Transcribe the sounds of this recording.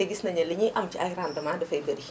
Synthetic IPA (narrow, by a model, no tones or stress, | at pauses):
eɡisnɐɲɐliɲiʔɐmt͡ʃiʔɐjɾandɐmadɐfɐjɡɐdi